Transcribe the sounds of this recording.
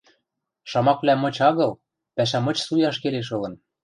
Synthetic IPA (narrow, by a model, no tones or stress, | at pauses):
ʃɑmɑkβlæmɤ̆t͡ɕɑɣɤ̆l | pæʃ̬æmɤ̆t͡ɕsujɑʃkeleʃ̬ɤ̆lɤ̆n